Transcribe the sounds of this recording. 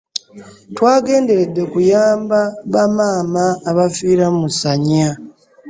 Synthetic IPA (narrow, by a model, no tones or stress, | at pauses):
twaːɡe̞ːnde̞ɾe̞dːe̞kujaːmbaβamaːmaːβafiːɾamusaɲa